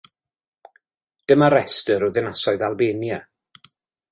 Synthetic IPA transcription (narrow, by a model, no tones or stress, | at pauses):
d̥əmaɾɛstəɾʊðɪnasɔɨðalˠbeːnja